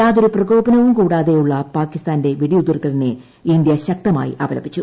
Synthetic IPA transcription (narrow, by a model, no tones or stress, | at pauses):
aːðoɾuprɐɡo̞ːbɐnɐʋumkuːɽaːðe̞juɭːɐpaːkːist̪aːnde̞ʋiɽiud̪ːɐrt̪ːɐline | ind̪jɐɕɐk̚t̪ɐma̰ːjḭʔɐbɐlɐbʱit͡ɕːu